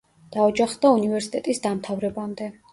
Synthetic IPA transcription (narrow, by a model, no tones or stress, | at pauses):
d̪̥aɔd͡ʒaχd̪aunivɛɾsi̥t̪ʼɛt̪ʼisd̪amt̪ʰavɾɛbamd̪ɛ